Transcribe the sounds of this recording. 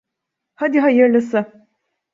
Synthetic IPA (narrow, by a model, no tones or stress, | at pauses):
had̪iɦajɯɾlˠɯsɯ